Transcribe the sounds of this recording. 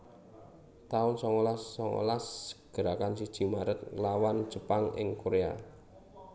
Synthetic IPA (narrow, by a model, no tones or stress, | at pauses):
t̪aʊnsɔŋolasːɔŋo̰lasɡ̥ə̤ɾakansid̥ʒ̥i̤maɾət̪̚lawan̥ʒ̥əpaŋɪ̰ŋkoɾea̰